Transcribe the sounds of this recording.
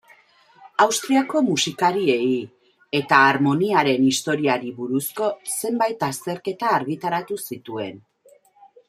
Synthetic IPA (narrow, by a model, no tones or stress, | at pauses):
awst̪ɾiako̞musikaɾie̞i | e̞t̪aːɾmo̞niaɾe̞nist̪o̞ɾiaɾiβuɾusko̞se̞mbajt̪ast̪e̞ɾke̞t̪aːɾɣit̪aɾat̪usit̪ue̞n